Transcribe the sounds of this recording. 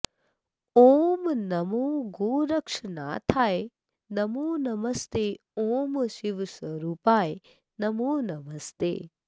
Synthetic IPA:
oːmnɐmoːɡoːɾɐkʂɐna̰ːt̪ʰaːj | nɐmoːnɐmɐst̪eː | oːmʃiʋsʋɐɾuːpaːj | nɐmoːnɐmɐst̪ḛː

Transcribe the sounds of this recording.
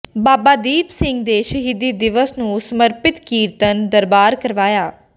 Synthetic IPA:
baːbaːd̪iːpsɪŋɡ̚d̪eːʃəɦiːd̪iːd̪ɪʋəsnũːsəməɾpɪt̪kiːɾt̪ənd̪əɾbaːɾkəɾʋaːjaː

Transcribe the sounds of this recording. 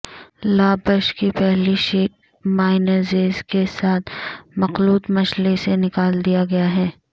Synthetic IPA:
laːbəʃkipɛɦliʃiːʈ̚ | maːɪnəɾzeːzkesaːt̪ʰmɐxluːt̪mɐʃlesenɪkaːld̪ijaɡɐjaɦɛː

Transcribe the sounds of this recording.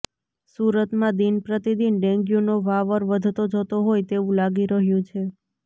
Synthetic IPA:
suɾət̪mãd̪inpɾət̪id̪inɖɛ̃ŋɡjunoʋaʋəɾʋəd̪ʱt̪od͡ʒət̪oɦojt̪eʋũlaɡiɾəɦjũt͡ʃʰe

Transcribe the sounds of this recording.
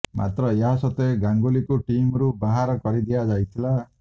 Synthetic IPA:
mʔa̰t̪ɾɔeɦasɔt̪eɡaŋɡolikuʈimɔɾubaɦaɾɔkɔɾid̪iad͡ʒajt̪ʰila

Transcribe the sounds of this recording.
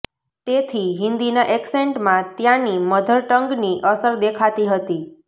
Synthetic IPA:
t̪et̪ʰiɦɪ̃nd̪inaʔekseɳʈmãt̪jãniməd̪ʱəɾʈəŋɡniʔəsəɾd̪ekʰat̪iɦət̪i

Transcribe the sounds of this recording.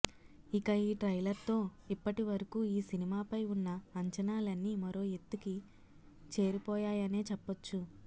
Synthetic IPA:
ikɐiːʈɾɐjlɐɾt̪o̞ː | ipːɐʈiʋɐɾɐkuːiːsinimaːpɐjunːɐːɲt͡ʃɐnaːlɐnːiːmɐɾo̞ːet̪ːuki | t͡ʃe̞ːɾipɔːjaːjɐne̞ːt͡ʃɛpːɐt͡ʃːu

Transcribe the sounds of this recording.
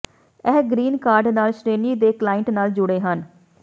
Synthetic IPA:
ɛːɡɾiːnkaːɾɖnaːlʃɾeːniːd̪eːklaːɪɳʈnaːld͡ʒʊɽeːɦən

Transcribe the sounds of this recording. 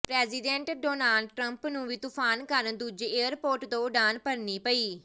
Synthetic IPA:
pɾɛːziːɖɛ̃ːɳʈɖoːnaːlɖʈɾəmpnũːʋiːt̪uːpʰaːnkəɾd̪uːd͡ʒeːəɾpoːɾʈd̪õːʊɖaːnpəɾniːpəiː

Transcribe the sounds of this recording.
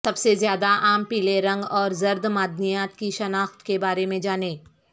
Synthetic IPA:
sɐbsezjaːd̪aʔaːmpiːleɾɐ̃ŋɡɔːɾzɐɾd̪maːd̪nijaːt̪kiʃɐnaːxt̪kebaːɾemẽd͡ʒaːneː

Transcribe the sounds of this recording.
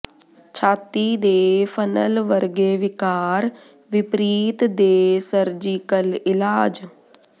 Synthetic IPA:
t͡ʃʰaːt̪iːd̪eːpʰənə̰lʋəɾɡeːʋɪkaːɾ | ʋɪpɾiːt̪d̪eːsəɾd͡ʒiːkəlɪlaːd͡ʒ

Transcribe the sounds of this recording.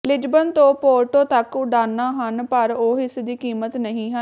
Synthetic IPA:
lɪd͡ʒbənt̪õːpoːɾʈõːt̪əkʊɖaːnːaːɦənpəɾoːɦɪsd̪iːkiːmət̪nəɦĩːɦə

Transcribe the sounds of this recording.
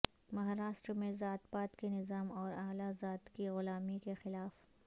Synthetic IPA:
mɐɦaːɾaːʃʈɾmẽzaːt̪baːt̪kenɪzaːmɔːɾaːɦlazaːt̪kiɣʊlaːmikexɪlaːf

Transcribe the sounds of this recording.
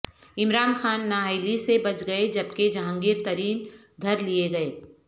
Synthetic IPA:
ɪmɾaːnxaːnːaːɦaɪlisebɐt͡ʃɡɐed͡ʒɐbked͡ʒãːŋɡɪːɾt̪ɐɾiːn | d̪ʱɐɾlieɡɐeː

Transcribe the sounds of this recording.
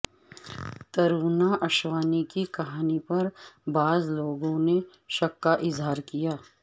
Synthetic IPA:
t̪ɐɾuːnaʔɐʃwaːnikikɐɦaːnipɐɾbaːzloːɡõne | ʃɐkːaʔɪzɦaːɾkijaː

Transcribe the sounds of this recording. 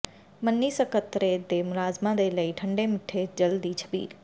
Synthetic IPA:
mənːiːsəkət̪ɾed̪emʊlaːzmãd̪eləiʈʰəɳɖemɪʈʰːed͡ʒəld̪it͡ʃʰə̥bḭːl

